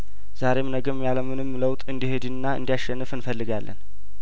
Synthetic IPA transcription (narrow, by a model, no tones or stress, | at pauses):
z̥aɾe̞mnəɡəmjaləmɨnɨmːləwt̪ʼɨnd̪ihed̪ɨnːaɨ̰nd̪ijaʃɛnːɨfɨnfəlːɨɡalːə̰n